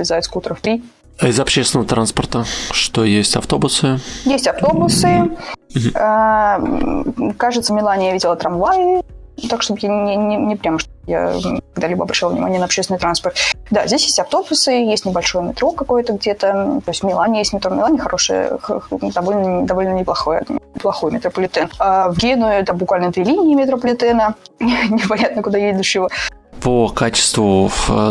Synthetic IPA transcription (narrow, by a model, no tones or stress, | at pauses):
vɪzajʊt̪skut̪ɾəfpʲi | ɪzɐpɕest̪ʲɪnəvət̪ɾanspərt̪əʂt̪o̞jesʲtʲɐ̰ft̪o̞bʊsɨjesʲtʲɐft̪o̞bʊsɨ | a | kaʐɨt̪səmʲɪlˠanʲɪjvidʲɪlˠət̪ɾɐmvajt̪akʂt̪o̞bəjaɪnʲɪnʲɪpɾʲaməʂt̪oja̰kɐɡd̪alʲibə̰ɐbɾɐɕalˠvnʲɪ̰ma̰nʲɪənɐpɕesʲɪnɪt̪ɾanspərt̪d̪azʲdʲesʲjesʲtʲɐft̪o̞bʊsɨjesʲtʲnʲɪbɐlʲʂo̞jəmʲɪt̪ɾo̞kɐko̞jət̪əɡdʲe̞t̪ət̪o̞ɪsʲtvmʲɪlˠanʲɪjesʲtʲmʲɪt̪ɾomʲɪlˠanʲɪxɐɾʔo̞ʂɨ̰jə̰xd̪ɐvo̞lʲnəd̪ɐvo̞lʲnənʲɪplˠɐxojə̰plˠɐxo̞jmʲɪt̪ɾəpəlʲɪt̪ɛnavɡʲenʊɪt̪ambʊkvalʲnət̪vʲilʲinʲɪːmʲɪt̪ɾəpəlʲɪt̪ɛnənʲɪpɐnʲat̪nəkʊd̪ajed̪ʲʊɕːɪvəpəkat͡ɕɪ̥st̪vʊv